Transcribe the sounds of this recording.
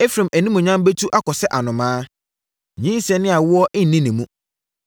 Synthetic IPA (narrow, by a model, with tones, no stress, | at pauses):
e˦fɾĩ˨mæ˨nĩ˦mũ˨ɲã˦mbe˦tʰu˦ʔa˦kɔ˨sɛ˦ʔa˨nʊ̃˨mãː˦ | ɲĩ˦n˦sɛ̃˨nɪ̃˦a˨wʊ˦ɔ˦ʔɪ˦n̩˨nĩ˦nɪ̃˨mũ˦